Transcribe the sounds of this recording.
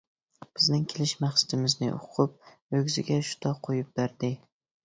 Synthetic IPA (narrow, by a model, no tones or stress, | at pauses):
b̥ɪznɪŋkʲʰelɪʃmaχsḁt̪ɪmɪznɪ̰ʔʊ̰qʰʊp̚ | ɵɡʲzɪɡʲaʃʊ̥t̪ʰɒqʰːojɪp̚baɾd̪ɪ